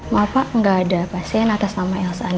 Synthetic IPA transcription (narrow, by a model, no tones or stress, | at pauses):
mapaŋɡaːdapasiɛnakasamaɛlsan